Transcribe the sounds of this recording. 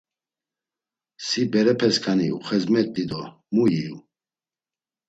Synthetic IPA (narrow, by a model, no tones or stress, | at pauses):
sibɛɾɛpʰɛskʰaniṵχɛzmɛt̪ʼːid̪ɔ | muji